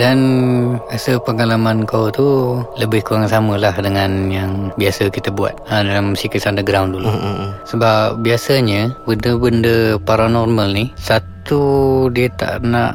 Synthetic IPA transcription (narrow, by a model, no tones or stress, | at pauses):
danasəpəŋalamankawt̪uləbɪhkuaŋansaməlahdəŋanjaŋbiasəkit̪əbua̰t̪̚ədalamsikəsandəɡɾawndulusəbap̚biasəɲəbəndəbəndəpaɾanɔrməlnihsat̪udiət̪a̰ʔnaʔ